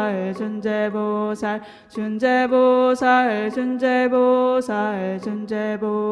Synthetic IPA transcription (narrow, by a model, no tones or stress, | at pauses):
d͡ʑund͡ʑebosʰa | t͡ɕund͡ʑebosʰad͡ʑund͡ʑebosʰad͡ʑund͡ʑebo